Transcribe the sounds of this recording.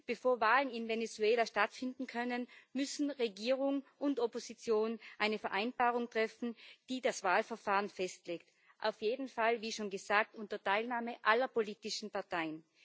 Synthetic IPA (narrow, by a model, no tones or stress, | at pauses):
b̥efoːɐvaːlənɪnvenet͡suɛːlaʃtatfɪndn̩kʰœnənmʏsn̩ʁeɡiːʁʊŋʔʊntɔpozit͡sjoːnʔaɪnəfɛɐʔaɪnb̥aːʁʊŋtʁ̥ɛfn̩d̥iːdasv̥aːlfɛɐfaːʁənfɛstleːkt | ʔa̰ʊfjeːdn̩falviːʃoːnɡəzaːk̚tʔʊntɐtʰaɪlnaːməʔalɐpoliːtɪʃn̩paɐtʰaɪən